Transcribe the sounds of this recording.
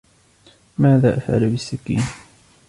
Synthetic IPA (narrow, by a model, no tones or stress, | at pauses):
mæðæʔəfʕa̰læbisːækːḭn